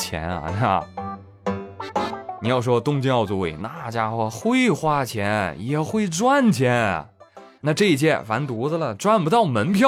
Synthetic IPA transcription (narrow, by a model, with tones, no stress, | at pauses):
t͡ɕʰjɛ̰˧˥nɐ̰˧na˧˩ | ni˨˥jɑ˥˩ʊʂ̬wɔ˥t̪ʊ˥ŋt͡ɕi˥˧˥ɑ˥˩ʊt͡su˧˥ḭ˨˩na˥˧˩t͡ɕja˥xwɔ˥˧˩xwe˥ɪxwa˥˩t͡ɕʰjɛ˧˥njɛ˨˩xwe˥˩ɪʈ͡ʂwa˥˧nt͡ɕʰjɛ˧˥n̰˨˩na˥˧ʈ͡ʂɤ˥˧i˧t͡ɕjɛ˥˩fa˧˥nt̪u˧˥də˧lə˨ʈ͡ʂwa˥˧npu˧˥t̪ɑ˥˩ʊmə˧˥npʰjɑ˥